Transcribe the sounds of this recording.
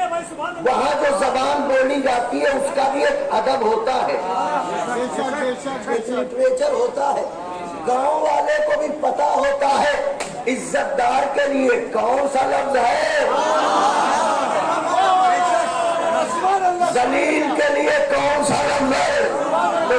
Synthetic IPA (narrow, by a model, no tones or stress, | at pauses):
ʋɐɦãd͡ʒozɐbaːnboːnid͡ʒaːt̪iɦɛʊskabʱiekɐd̪əbɦoːt̪aɦɛː | etɪʈweːt͡ʃəɾɦoːt̪aɦɛː | ɡãːõʋaːlekobʱipɐt̪aɦoːt̪aɦɛː | ɪzːət̪̚d̪aːɾkeliekɔːnsalɐb̪̚ɦɛ | zɐliːlkeliekɔ̃ːnsalɐbɦɛː